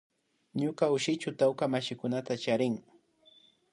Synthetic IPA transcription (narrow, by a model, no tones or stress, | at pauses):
ɲokaʊʃɪt͡ʃʊt̪awkamaʃɪkʊnat̪at͡ʃaɾɪŋ